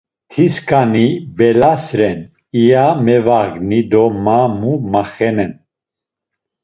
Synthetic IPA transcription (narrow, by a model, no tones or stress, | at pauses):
t̪ʰiskʰanibɛlasɾɛn | ijamɛvaɡnid̪ɔmamumaχɛnɛn